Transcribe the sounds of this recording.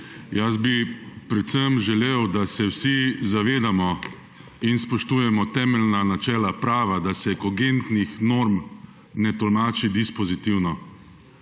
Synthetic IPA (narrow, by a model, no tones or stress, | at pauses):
jasbipɾɛt̪səmʒɛleːwd̪asɛwsizaʋeːd̪amɔ | inspɔʃt̪uːjɛmɔt̪ɛːmɛlnanat͡ʃɛːlapɾaːʋad̪asɛkɔɡent̪nixnoɾm | nɛt̪ɔlmaːt͡ʃid̪ispɔzit̪iwnɔ